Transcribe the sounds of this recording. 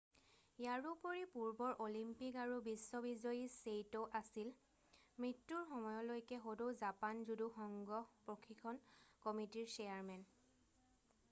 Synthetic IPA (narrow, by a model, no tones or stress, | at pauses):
jaɹupoɹipuɹbɔɹʔolimpikaɹubisːɔbizɔjisejtɔʔasil | mɹitːuɹxɔmɔjɔlojkɛxodowzapanzuduxɔŋɡɔpɹokʰikʰɔnkɔmitiɹsejaɹmɛn